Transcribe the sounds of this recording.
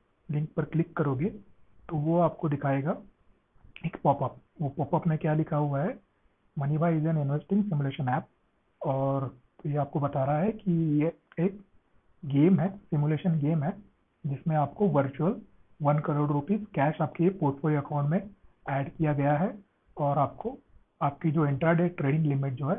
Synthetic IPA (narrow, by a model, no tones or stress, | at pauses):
lɪ̃ŋk̚pɐɾklɪkːɐɾoːɡet̪oʋoaːpkod̪ɪkʰaːeːɡa | eːkpɔːpəp̚ʋopɔːpəpmẽkjaːlɪkʰaɦuaɦɛ | mɐnibʱaːizənɪnʋeːsʈɪ̃ŋɡsɪmuleːʃənɛːp̚ | ɔːɾ | jeaːp̚kobɐt̪aːɾaɦaɦɛkijeeːk̚ | ɡeːmɦɛsɪmʊleːʃənɡeːmɦɛ | d͡ʒɪsmẽaːpkoʋɐɾt͡ʃuəl | ʋɐnkɐɾoːɖɾupiːzkɛːʃaːp̚kepoːɾʈfʰoːliɐkãːʊ̃ɳʈmẽɛːɖkijaɡɐjaɦɛ | ɔːɾaːp̚ko | aːp̚kid͡ʒoːɪ̃ɳʈɾaɖeːʈɾeːɖɪ̃ŋɡlɪmɪʈ̚d͡ʒoːɦɛː